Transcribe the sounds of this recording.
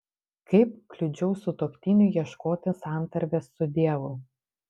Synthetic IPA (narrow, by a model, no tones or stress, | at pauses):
kɐɪp̚klʲʊd͡ʒʲɛʊsʊt̪oːpʲt̪ʲinʲʊjiɛʃkoːt̪ʲɪsɑˑnt̪ɐɾʲʋʲesːʊd̪ʲiɛʋʊ